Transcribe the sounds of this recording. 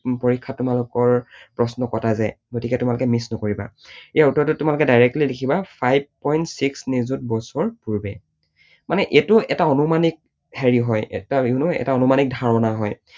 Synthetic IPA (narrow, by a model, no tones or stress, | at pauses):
poɹikʰːatːumalʊkɔɹpɹɔsnɔkɔtʰazajɡotikɛtʊmalʊkɛmisnɔkoɹiba̰ejautːɔɹtɔtːʊmalʊkɛdajɹɛk̚tlidekʰibapʰajb̚pɔjntsiksnizut̚bɔsɔɹpuɹbɛ | manɛʔetʊɛtaɔnumanik̚ | hɛɹiɦɔjɛ̰taunʊɛ̰taɔnumanik̚dʱaɹɔnaɦɔj